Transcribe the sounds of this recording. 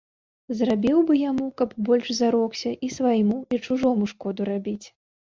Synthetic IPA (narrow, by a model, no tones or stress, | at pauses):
zrabʲiwbɨjamukɐbbɔlʲʂzaɾɔksʲɐʔisvajmuit͡ʂuʐɔmuʂkɔd̪uɾabʲit͡sʲ